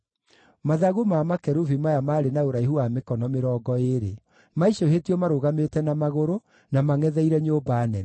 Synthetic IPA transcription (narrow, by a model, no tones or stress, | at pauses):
maðaɣomaːmakɛɾuvimajamaːɾenaoɾaiɦuamekɔnɔmeɾɔːɡɔeɾe | maiʃoɦetiɔmaɾoɣametɛnamaɣoɾo | namaŋɛðɛiɾɛɲoːbanɛn